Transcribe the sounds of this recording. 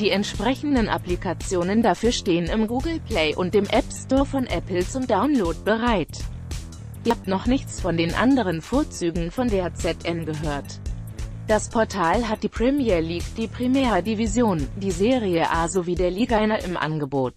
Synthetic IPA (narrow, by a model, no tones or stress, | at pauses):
d̥iːɛntʃpʁ̥ɛçn̩dənʔa̰plikʰat͡sjoːnəndafyːɐʃteːənɪmɡuːɡl̩pʰl̥ɛɪʔʊnt̚d̥eːmʔɛpstɔːɐfɔnʔɛpl̩t͡sʊmdaʊnloːt̚b̥əʁaɪt | ap̚tnɔχnɪçt͡sfɔndeːnʔa̰ndəʁənfoːɐt͡syːɡŋ̩fɔndeːt͡sɛtʔɛmɡəɦøːɐt | d̥aspʰɔɐtʰaːlɦat̚d̥iːpʁ̥ɛmiɛːɐliːkd̥iːpʁ̥imɛːʁɐdivizjoːnd̥iːzeːʁiəʔaːzoviːdeːɐliːɡaɪnaʔɪmʔa̰nɡəboːt